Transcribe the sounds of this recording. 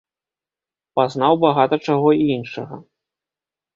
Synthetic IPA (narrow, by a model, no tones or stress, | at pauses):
paznawbaɣat̪ɐt͡ʂaɣɔiinʂɐɣɐ̰